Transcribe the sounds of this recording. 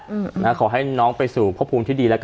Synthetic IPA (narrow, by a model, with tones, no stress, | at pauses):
nʔa˦˥kʰɔː˨˩˦ɦa˥˩jnɔː˦˥ŋpa˧jsuː˨˩pʰɔ˦˥pʰːuː˧mt̪iː˥˩diː˧lɛ˦˥k